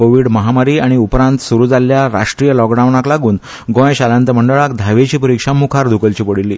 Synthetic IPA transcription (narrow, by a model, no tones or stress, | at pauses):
koʋiːɽməɦamaɾiːaɽ̃iupɾãnt̪suɾuːd͡zaljaɾa̰ʂʈɾijəlɔkɖawnaklaɡuːn | ɡõjɕalãnt̪əm̤əɳɖəɭak̚d̪ʱaʋet͡ɕiːpəɾikʂamukʰaɾd̪ʱukəlt͡ɕiːpəɽilːiː